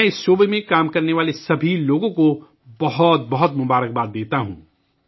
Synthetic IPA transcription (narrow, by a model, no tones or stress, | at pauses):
ɛ̃ɪsʃoːbəmẽkaːmkɐɾneʋaːlesɐbʱiloːɡõko | bɐɦɔt̪̚bɐɦʊt̪mʊbaːɾək̚baːt̪̚d̪eːt̪aɦṵ̃ː